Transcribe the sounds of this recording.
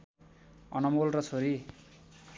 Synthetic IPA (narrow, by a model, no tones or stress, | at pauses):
ʌ̰nʌmolrʌt͡sʰoɾi